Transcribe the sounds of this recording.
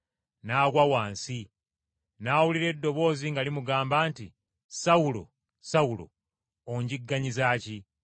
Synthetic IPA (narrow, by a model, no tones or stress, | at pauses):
naːkwawaːnsi | naːwuliɾe̞dːo̞βo̞ːziŋɡalimuɡaːmbaːntḭ | sawulo̰ | sawulo̰ | oɲɟiɡːaɲizaːci